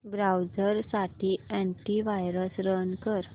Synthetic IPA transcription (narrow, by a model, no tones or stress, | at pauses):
bɾawd͡zəɾsaʈiɛ̃ɳʈiʋajɾəsɾənkəɾ